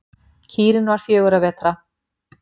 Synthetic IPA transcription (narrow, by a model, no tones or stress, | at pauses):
cʰiːɾɪnvaɾ̥fjœːɣʏɾavɛːt̪ɾa